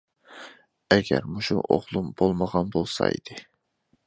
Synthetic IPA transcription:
ɛɡʲɛ̰ɾmuʃṵʔo̰ʁlˠumbolˠməʁɑnbolˠsɑ̰ḭd̪̥ɨ

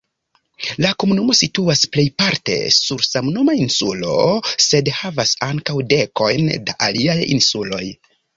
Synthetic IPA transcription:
lako̞munumo̞situasple̞jpaɾte̞̰suɾsamnomainsulo̞̰se̞dhavasaŋkawde̞ko̞jndaʔaliajḭnsulo̞j

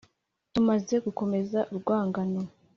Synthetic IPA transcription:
tumaze̞ɡuko̞me̞zaʔuɾɡwaːŋɡano

